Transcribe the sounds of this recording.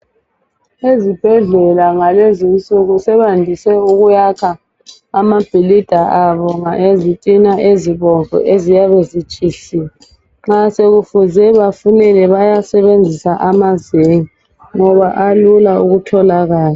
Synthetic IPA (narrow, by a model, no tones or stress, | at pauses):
ezib̥ʱɛɮɛlaŋalezinsʼuɣusɛβandʱisɛuɣujakʰaː | mab̥ʱilid̥ʱaaβɔŋaʔezitʼinaʔeziβɔɱvʱṵʔezijaβezit͡ʃʼisi | ŋ͡ǁaseɣufuzɛβafunɛlɛβajasɛβend͡zʱisaʔamazeŋi | ŋɔβaʔalulauɣutʰɔlaɣaːla